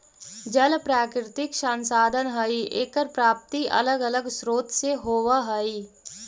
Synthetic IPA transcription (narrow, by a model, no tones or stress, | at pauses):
d͡ʒəlpɾaːkɾɪt̪ɪkʃãːnsaːd̪ʱənɦɐiʔeːkəɾpɾaːp̚t̪iʔɐ̰ləɡələɡsɾoːt̪seɦoːʋaɦɐi